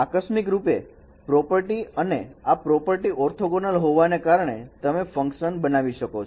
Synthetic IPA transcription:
akəʃmɪk̬ɾupe | pɾɔpəɾʈiəneapɾɔpəɾʈiɔɾt̪ʰoɡonəlɦoʋanekaɾɳ̃et̪əmefə̃ŋkʃənbənaʋiʃəkot͡ʃʰ

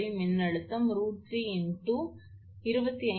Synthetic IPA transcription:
imɪnːɐɽɯt̪ːɐmɾuːʈʈriɪɳʈu | ɪɾɯbɐt̪ːiɐ

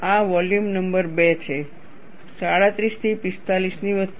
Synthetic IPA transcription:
aʋɔljumnəmbəɾbet͡ʃʰe | saɽãt̪ɾist̪ʰipist̪alisniʋə

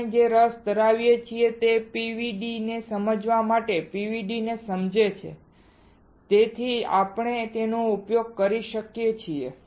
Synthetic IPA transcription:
d͡ʒeɾəsd̪əɾaʋjet͡ʃʰiet̪epiʋiɖinesəməd͡ʒʋamaʈepiʋiɖinesəmd͡ʒet͡ʃʰḛ | t̪et̪ʰia̰pɳ̃et̪enoupjoɡ̚kəɾiʃəkjet͡ʃʰiḛ

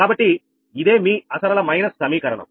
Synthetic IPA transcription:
aːbɐʈːi | id̪e̞ːmiːɐsɐɾɐlɐmɐjnɐsːɐmiːkɐɾɐɳɐ̰m

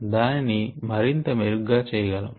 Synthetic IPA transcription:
d̪aːninimɐɾint̪ɐmeɾuɡaːt͡ʃɛːjɐɡɐlɐ

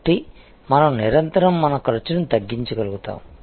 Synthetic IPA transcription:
ʈːi | mɐnɐmniɾɐnt̪ɐɾɐmːɐnɐkɐɾɐt͡ʃːɐnɐmt̪ɐɡːiɲt͡ʃɐɡɐluɡut̪a̰ːm

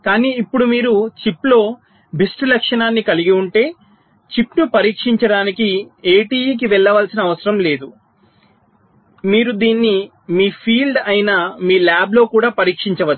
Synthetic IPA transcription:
kaːniːipːuɽumiːɾut͡ʃiplo̞ː | bisʈulɐkʂɐɳaːnːikɐliɡiuɳʈe̞ː | t͡ʃipnupɐɾiːkʂiɲt͡ʃɐɽaːnikieːʈiːjiːk̬iʋɛɭːɐʋaːlsinɐːʋɐsɐɾɐmle̞ːd̪u | miːɾud̪iːnːi | miːpʰiːlɖɐjinɐmiːlaːblo̞ːkuːɽaːpɐɾiːkʂiɲt͡ʃɐʋɐ̥

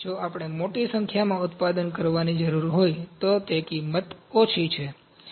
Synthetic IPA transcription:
d͡ʒoapəɽ̃emoʈisəŋkʰjamãʊt̪pad̪ənkəɾʋanid͡ʒəɾuɾɦojt̪ot̪ekimət̪ot͡ʃʰit͡ʃʰe

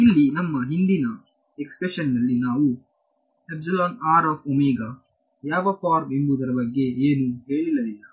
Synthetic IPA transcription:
ilːinɐmːɐɦind̪inɐ | ekspɾeʃɐnːɐlːinaːʋu | ebsɐlaːnaːɾaːfomiːɡɐ | jaːʋɐpaːɾmembud̪ɐɾɐbɐɡːe̞eːnuɦe̞ːɭilːɐlilːɐ

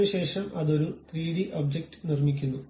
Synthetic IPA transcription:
ɨɕe̞ːʂɐmʔɐðo̞ɾut̪riːɽiʔob̚d͡ʑek̚ʈɨ̥nirmikʲːunːu

